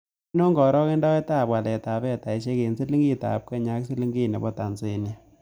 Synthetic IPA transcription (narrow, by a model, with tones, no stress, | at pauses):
i˦no˦ŋɡɔ˨ɾɔ˦ke˦ndɔ˦ɛ˦ta˦˨pwa˨lɛ˨ta˨bɛ˦˨ta˨i˨ʃe˦ke˨nsi˦li˦ŋɡi˦ta̰˨p̚kɛ˦ɲa˦ksi˦li˦ŋɡi˦˨nḛ˨bɔ˦ta˨nse˨ni˨